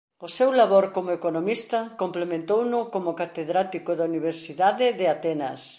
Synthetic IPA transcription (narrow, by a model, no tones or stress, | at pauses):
ʊsewlaβoɾkomoekonomist̪ɐkomplemẽnt̪ownʊkomʊkat̪eðɾat̪ikoðauniβ̞eɾsiðaðɪðɪat̪ɛnɐ̰s